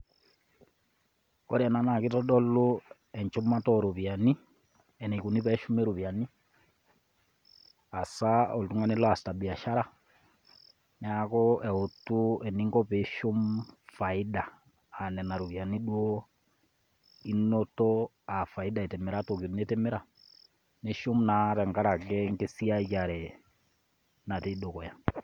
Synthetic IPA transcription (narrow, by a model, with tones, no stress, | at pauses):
kɔ˦ɾɛ˨na˨na˨ki˦tɔɗɔ˦lo˦ | ɛ˨ɲt͡ʃu˦ma˦tɔɾuβjani˦ | ɛ˨nɛ˨ku˨ni˦pɛʃu˦me˦ɾu˨βjani˦ | a˨sao˨ltu˦ŋa˦ni˦lɔ˦a˨sta˨bi˨a˨ʃa˦ɾa˦ | nɛ˦akɔɛ˨o˨tu˦ɛ˨ni˦ŋɡɔ˦peʃo˦mfa˨i˦da˨ | a˨nɛ˨na˨ɾu˨βja˨ni˦ɗwɔ | i˦nɔtɔ | a˨fa˨ida˨e˨tɛ˨mɛ˨ɾato˨ki˨ɾu˨ne˦tɛmɛ˦ɾa˨ | ne˦ʃo˦mna˨tɛ˨ŋɡa˦ɾa˨ɡɛ˦ŋɡe˦si˦a˦ja˨ɾɛ | na˨tedo˨kɔ˨ja˨